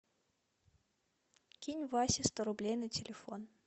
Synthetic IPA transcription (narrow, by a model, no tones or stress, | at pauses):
kʲinʲvɑsʲɪst̪əɾublʲejnɨtʲɪlʲɪfon